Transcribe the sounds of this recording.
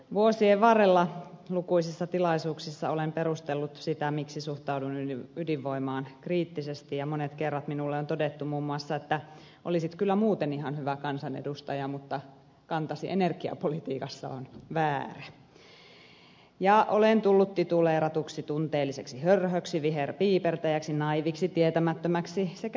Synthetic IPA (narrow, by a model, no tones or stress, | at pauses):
ʋuosieʋʋɑrelːɑlukuisisːɑt̪ilɑisuːksisːɑ̰olempeɾust̪elːut̪sit̪æmiksisuht̪ɑudunyydiʋʋoimɑːnkriːt̪ːisest̪ijɑmonet̪kerːɑt̪minulːeont̪odet̪ːumuːmːuɑsːɑet̪ːæ | ʔo̰lisit̪kylːæmuːt̪eniɦɑnhyʋækɑnsɑnḛdust̪ɑjɑmut̪ːɑ | kɑnt̪ɑsḭʔenerkiɑ̰polit̪iːkɑsːɑ̰onʋæːræ | jɑʔolent̪ulːut̪ːit̪uleːɾɑt̪uksit̪unt̪eːlːiseksihørhøksiʋiɦerpiːpert̪æjæksinɑiʋiksit̪iet̪æmæt̪ːømæksisek